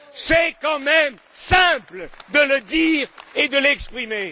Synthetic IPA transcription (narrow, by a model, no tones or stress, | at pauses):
sɛkɑ̃mɛmsɛ̃pld̪ələd̪iʁed̪əlɛkspχime